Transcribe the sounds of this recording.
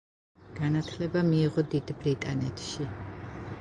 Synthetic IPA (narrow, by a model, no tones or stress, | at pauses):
ɡ̥anat̪ʰlɛbamiːʁɔd̪id̪bɾit̪ʼanɛt̪ʰʃi